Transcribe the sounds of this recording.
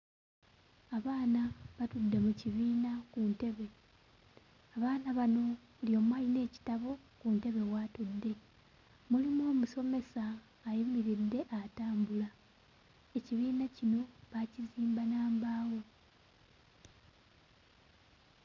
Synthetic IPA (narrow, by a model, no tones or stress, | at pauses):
aβaːnaβatudːe̞muciβiːnakunte̞βe̞ | aβaːnaβano̞ | uljo̞ːmwaːline̞ːci̥taβo̞ | kunte̞βe̞waːtudːe̞ | mulimoːmuso̞me̞saː | jimiɾidːe̞ʔataːmbula | eciβiːnacino̞βaciziːmbanaːmbaːwo̞